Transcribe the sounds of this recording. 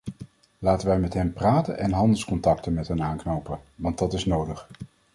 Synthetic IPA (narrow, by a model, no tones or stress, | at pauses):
laːtəʋɛjmɛtɦɛmpraːtə̰nʔɛnɦɑndəlˠskɔntɑktənmɛtɦɛnaːŋknowpənʋɑntdɑtɪsnowdəχ